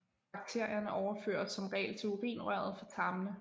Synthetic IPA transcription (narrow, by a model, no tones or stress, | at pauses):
b̥ɑ̈ɡ̥̚t͡sʰe̝ɐ̰jɐnəʔɒʊɐføɐ̰d̥sɒ̽mʁɛ̰ːlt͡sʰe̝loʁḭːnʁɶɐð̞̩ˠfɒt͡sʰɑ̈mnə